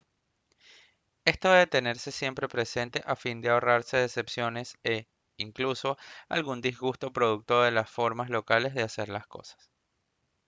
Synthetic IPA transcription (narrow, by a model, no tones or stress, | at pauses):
e̞st̪oðeet̪e̞ne̞ɾse̞sje̞mpɾe̞pɾe̞se̞nt̪e̞ʔafind̪eao̞raɾse̞ðese̞psjo̞ne̞se | iŋkluso̞a̰lɣund̪izɣust̪o̞pɾo̞ðuk̚t̪o̞ðe̞lasfo̞ɾmazlo̞kale̞zðease̞ɾlasko̞̰sḁs